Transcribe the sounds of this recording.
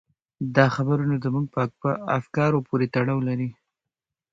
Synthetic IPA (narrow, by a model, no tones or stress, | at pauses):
d̪ɑxabəɾunad̪əmuɡ̚pəpəafkɑɾopʰoɾet̪aɽɑwlaɾi